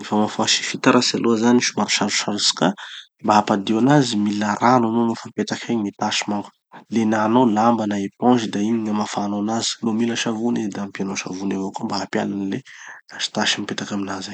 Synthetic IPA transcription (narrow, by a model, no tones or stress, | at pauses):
ifamafaʃi̥fit̪aɾasaluazaniʃumaɾuʃaɾu̥ʃaɾusi̥ka | mbaɦapad̪eanazimilaɾananomafampet̪akʰaɲmit̪aʃi̥maŋɡə̥ | lenanolambanaepɔ̃ʒid̪aimiɲəmafaːnonazi̥lomiləʃavunizd̪ampianoʃa̰vunavokombaɦapja̰lanleaʃi̥t̪aʃimipet̪akaminaza